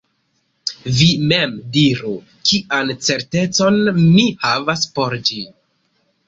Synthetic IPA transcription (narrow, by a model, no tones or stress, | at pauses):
vimemdiɾu | kiʔant͡se̞ɾte̞t͡so̞nmihavaspo̞ɾd͡ʒi